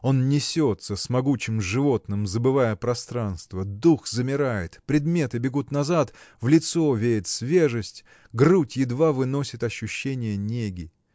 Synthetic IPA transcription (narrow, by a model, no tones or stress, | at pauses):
o̞nnʲɪsʲo̞t̪səsmɐɡut͡ɕɪmʐɨvo̞t̪nɨmzəbɨvajəpɾɐst̪ɾanst̪vəd̪uxzəmʲɪɾajɪt̪pɾʲɪd̪mʲe̞t̪ɨbʲɪɡut̪nɐzat̪vlʲɪt̪so̞vʲeɾʲɪt̪svʲeʐɨsʲtʲ | ɡrutʲjɪd̪vavɨno̞sʲɪt̪ɐɕːʊɕːenʲɪjənʲeɡʲɪ